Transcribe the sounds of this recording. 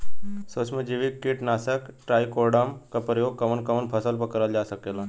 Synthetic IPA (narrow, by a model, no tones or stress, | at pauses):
sosməd͡ʒiʋikːiʈnaːsəkʈɾaːikoːɾɽamkapɾəjoːɡ̚kɐʋənkɐʋənpʰɐsəlpəkɐɾəld͡ʒaːsɐkeːla